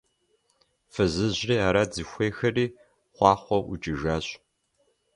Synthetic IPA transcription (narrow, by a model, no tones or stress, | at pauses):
fɨzɨʑriːaːɾad͡zɨxʷeːxɐriː | χʷɑːχʷɔʔʊ̰t͡ʃʼɪʒaːɕʼ